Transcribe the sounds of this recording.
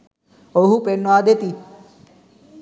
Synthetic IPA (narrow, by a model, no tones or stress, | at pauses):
oɦupenːoad̪et̪i